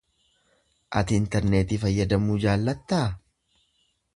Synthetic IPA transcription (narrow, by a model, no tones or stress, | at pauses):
ʔɐ̰t̪ɪɪnt̪ɛɾneːt̪ifɐjːɐd̪ɐmuːd͡ʒaːlːɐt̪ːaː